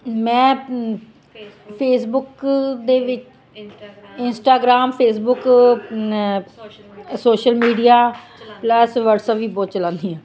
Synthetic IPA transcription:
mɛ̃ː | pʰeːsbʊkd̪eːʋɪt͡ʃ | ɪnsʈaːɡɾaːmpʰeːsbʊk | oːʃəlmiːɖijaː | pləsʋəʈsəpʋiːboːt̪t͡ʃəlãːnd̪iːãː

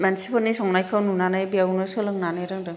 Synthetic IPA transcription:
mansipʰɔlnisɔŋnajkʰawnunanajbijawnɯsɯlɯŋnanajɾɯŋdɯŋ

